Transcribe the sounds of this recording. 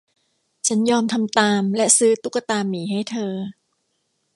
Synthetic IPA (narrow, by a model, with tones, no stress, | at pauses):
t͡ɕʰa˦˥njɔː˧mt̪ʰa˧mt̪aː˧mlɛ˦˥ʔsɯː˦˥t̪u˦˥ka˧t̪aː˧mːiː˩˦ɦa˥˩jt̪ʰɤː˧